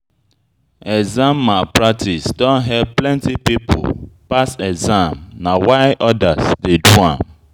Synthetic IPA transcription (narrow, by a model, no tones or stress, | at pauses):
ɛɡzãmːapɹak̚tʰisdɔ̃nɦɛb̚plɛ̃ntipipʰo̰pasɛɡzãmnãwaɪʔɔdasdeduã̰m